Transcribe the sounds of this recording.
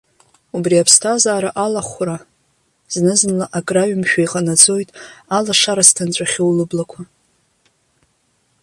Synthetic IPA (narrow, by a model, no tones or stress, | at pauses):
ubriapʰstʰazaːɾaʔalaχʷra | znɨznlaʔakʼraɥmʃᶣajqʼanad͡zʼo̞jtʼalaʂaɾastʰant͡ɕʷʼaχʲowlɨblakʷʰa